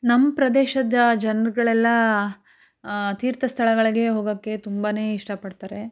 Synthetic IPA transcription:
nɐmːpɾɐd̪eːʃɐd̪ɐd͡ʒɐnɾuɡɐɭɛlːɐ | t̪iːɾt̪ʰɐst̪ʰɐɭɐɡɐɭiɡe̞ɦoːɡɐkːe̞t̪umbaːne̞ːiʂʈɐpɐɽt̪aːɾe̞

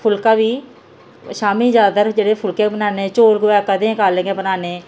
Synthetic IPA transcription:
pʰʊlkaːbiː | ʃaːmiːd͡ʒjaːd̪at̪əɾd͡ʒeːɽeːpʰʊlkẽːbənaːnẽːt͡ʃoːlɡoaːkəd̪ẽːkaːlẽɡẽːbənaːnẽː

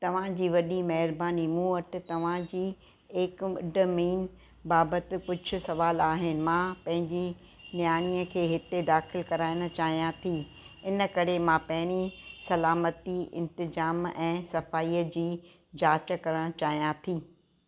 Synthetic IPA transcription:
t̪ɐʋ̤ãd͡ʑiːʋɐɗimɐɦɪɾbaːnimuːəʈt̪ɐʋ̤ãd͡ʑiː | ekɪ̰ɖə̆miːn | baːbət̪ɪ̆kʊd͡ʑʱʊ̆sɐʋaːlaːɦɪnɪ̆mãːpɐ̃ɦɪ̃ɲd͡ʑi | njaːɽ̃iːəkʰeːɦɪt̪ed̪aːxɪlkɐɾaːɪɽ̃ʊ̆t͡ɕaːɦijãt̪ʰiː | ɪnə̆kɐɾemãpɐ̃ɦɪɽ̃isɐlaːmət̪iɪ̰̃nt̪ɪzaːmɛ̃ːsɐfaːiːəd͡ʑiː | d͡ʑaːt͡ɕə̆kɐɾəɽ̃t͡ɕaːɦijãt̪ʰiː

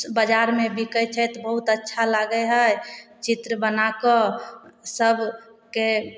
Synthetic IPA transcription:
bəd͡ʒaɾmebikəjt͡ʃʰɛt̪bəɦut̪ətːʃʰalaɡəɦəjt͡ʃit̪ɾəbənakɔ | səbke

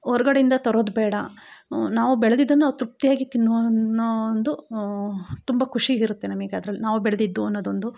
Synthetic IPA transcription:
ɔɾɐɡɐɽeind̪ɐt̪ɔɾoːd̪bɛːɽɐ̰naːʋubɛɭɐd̪id̪ːɐnːnaːʋut̪ɾup̚t̪ijaːɡit̪inːu | nd̪u | t̪umbɐkʰuʂiiɾut̪ːe̞nɐmiɡaːd̪ɐɾɐlːinaːʋubɛɭɐd̪id̪ːuɐnːoːd̪ond̪u

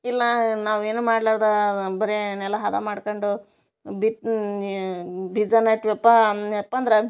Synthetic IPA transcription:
ilːɐnaːʋeːnuːmaːɖlaːɽd̪ɐbɐɾenɛlːɐɦɐd̪ɐmaːɽkoɳɖu | biʈ | bid͡ʒɐnɐʈʋɛpːaɛpːand̪ɐɾe

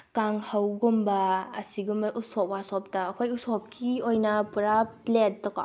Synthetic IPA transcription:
kaŋhawɡumbɐɐsiɡumbɐʔusɔp̚wasɔp̚tɐːkʰojusɔp̚kʰiojnɐpuɾaplet̚ːɔka̰

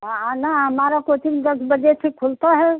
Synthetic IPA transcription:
anaəmaɾakot̪inid̪əɡbəd͡ʒet͡ʃʰikʰult̪aɦɛ

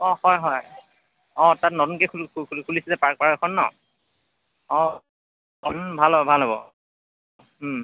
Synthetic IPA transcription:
ɔ̃hɔjɦɔj | ɔ̃tatnɔtunkɛkʰulkʰkʰukʰulisɛzɛpaɹk̚paɹkɛkʰɔnːɔ̰ | ɔ̃ | bʱalɦɔbbʱalɦobɔ̰

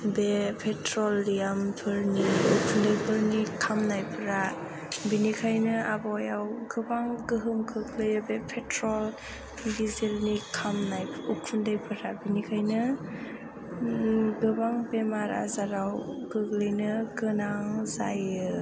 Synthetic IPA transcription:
bepʰetɾɔlːijampʰɯɾniukʰundajpʰɯɾnikʰamnajpʰɯɾa | binikʰajnɯabɔjawɡɯbaŋɡɯɦɯmkʰɯklɯjɯbepʰetɾɔl | dizelnikʰamnajpʰukʰundɯjpʰɯɾabinikʰajnɯ | ɡɯbaŋbemaɾa̰zaɾawɡɯklɯjnɯɡɯnaŋzajɯ

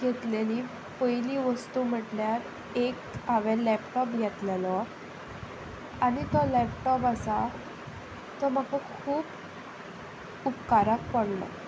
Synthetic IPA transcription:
ɡʱet̪leliː | pəjliːʋəst̪uːm̤əʈljaɾ | ekaʋelɛpʈɔpɡʱet̪lelɔ | anit̪ɔlɛpʈɔpasa | t̪ɔm̤akɔkʰuːb | upkaɾak̚pəɽlɔ̰

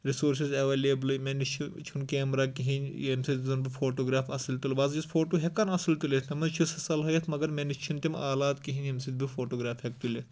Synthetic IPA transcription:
ɾisoːɾs̬izeʋeːleːblɨmenit͡ʃʰut͡ʃʰunkeːmɾaːkiɦinʲjemsit̪zɐnbifʰoːʈoːɡɾaːfɐsɐlt̪ilbaːzd͡ʒispʰoːʈoːɦekɐnɐslt̪ulet̪ʰnɐmɐnt͡ʃʰusɐsɐlɦɐjet̪ʰmɐɡɐɾmenit͡ʃʰunt̪imaːlaːt̪kiɦinemsit̪̚bifʰoːʈoːɡɾaːfhek̚t̪ulʲet̪

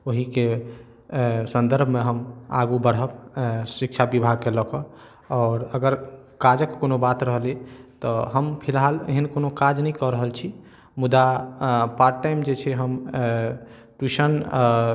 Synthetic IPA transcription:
oɦike | sənd̪əɾbʱmeɦəma̰ɡubəɽ̤ɦəbsikt͡ʃʰabibʱaɡ̚keləkɔ | ɔːɾəɡəɾ | kad͡ʒəkkonobat̪ɾəɦəlit̪ɔɦəmpʰilɦalḛɦinkonokad͡ʒnəikɔɾəɦəlt͡ʃʰi | mud̪apaɾʈajmd͡ʒet͡ʃʰɛɦəm | ʈuʃən

